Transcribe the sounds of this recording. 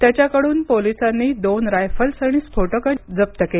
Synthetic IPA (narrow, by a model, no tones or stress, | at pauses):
t̪jat͡ɕjakəɽuːnpolisanːiːd̪onɾajfəlsəɽ̃iːspʰoʈəkəd͡zəp̚t̪əkel